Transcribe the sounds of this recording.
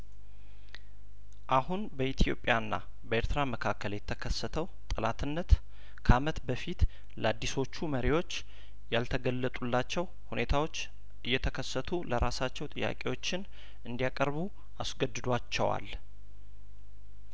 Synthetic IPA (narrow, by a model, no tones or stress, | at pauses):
ʔahunbəit̪ʰjo̞̰pʼjanːa̰ | bəeɾt̪ʰɨɾaməkʰakːəljɛt̪ʰːəkʰəsət̪ʰəwt̪ʼɨlat̪ʰɨnːət̪ | kʰəamət̪bəfit̪ | ləad̪ːiso̞t͡ʃːuməɾiwo̞t͡ʃː | jalt̪ʰəɡəlːət̪ʼulːat͡ʃːɛw | hune̞t̪ʰawo̞t͡ʃː | ɨjːɛt̪ʰəkʰəsːət̪ʰuləɾasat͡ʃːɛwt̪ʼɨjːa̰kʼiwo̞t͡ʃːɪn | ɨnd̪ijakʼəɾbu | asɡəd̪ːɨd̪wat͡ʃːɛ̰wa̰l